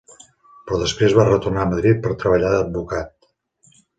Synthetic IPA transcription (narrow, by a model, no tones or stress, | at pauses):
pɾɔðəspɾezβarət̪urnaəməðɾit̪̚pəɾt̪ɾəβəʎaðəd̪̚bukat̪̚